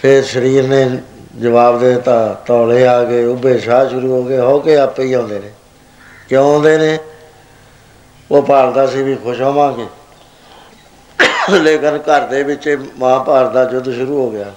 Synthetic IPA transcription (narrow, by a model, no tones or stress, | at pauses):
pʰɪɾʃəɾiːɾnẽːd͡ʒəʋaːbd̪eːt̪ãːt̪ɔːleːaːkeːʊbeːʃaːʃʊɾuːɦoːɡeːɦoːkeːəpːiːãːnd̪eːneː | kjõːõːnd̪eːneː | oːpaːɾd̪aːsĩːbiːkʰʊʃoːmãːkeː | leːkɪnkəɾd̪eːbɪt͡ʃeːmãːpaːɾd̪aːd͡ʒʊd̪ʃʊɾuːɦoːɡɪaː